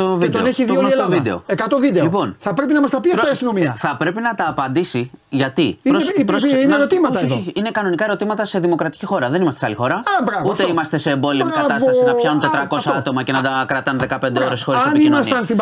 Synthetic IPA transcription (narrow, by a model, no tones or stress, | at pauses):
ovidt̪eoneçiðioelovid̪e̞o̰ekɐt̪o̞vid̪elipo̞nθɐpɾepinɐmɐst̪ɐpit̪ɐiɐst̪ino̞miɐθɐpɾe̞pinɐt̪ɐːpɐnd̪isiʝɐt̪iioɾosineeɾot̪imɐt̪ɐeðoinekɐno̞nikɐe̞ɾo̞t̪imɐt̪ɐse̞ðimo̞kɾɐt̪i̥cixo̞ɾɐðe̞nimɐstesɐlixo̞ɾɐɐbɾɐvuft̪eimɐst̪e̞se̞ːmbo̞likɐɐsɐsinɐçɐnunt̪et̪ɾɐko̞sɐɐt̪o̞mɐce̞nɐd̪ɐkɾɐt̪ɐnðe̞kɐpend̪eoɾesoɾiɐnimnmɐst̪ɐnst̪ib